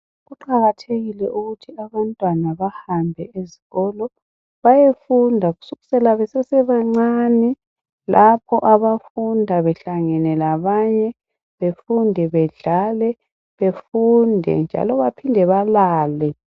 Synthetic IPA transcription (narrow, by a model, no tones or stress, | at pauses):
ɣuǃaɣatʰeɣilɛʔuɣutʰiaβantʼwanaβahambʱɛeziɣɔlɔ | βajefundʱaɣu̥suɣusɛlaβɛsɛsɛβaŋ͡ǀaːnɛ | lʔapʰɔʔaβafundʱaβɛɬaŋɛnɛlaβaɲɛ | βefundʱɛβɛɮalɛ | βefundʱɛ̰nd͡ʒʱa̰lɔβapʰindʱɛβalaːlɛ